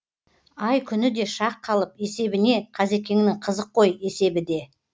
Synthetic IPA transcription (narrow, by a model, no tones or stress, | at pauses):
ɑjkʲʰʏnɪd̪e̞ʃɑqʰːɑlˠəpe̞se̞bɪne̞qʰɑze̞kʲe̞ŋɪnɪŋqʰəzəqʰːo̞je̞se̞bɪd̪e̞